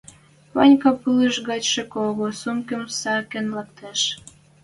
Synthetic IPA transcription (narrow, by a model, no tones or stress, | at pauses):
βɑnʲkɑpɨləʃɣɑt͡ɕʃĕkoɣosumkə̆msɑkenlɑk̚t̪eʃ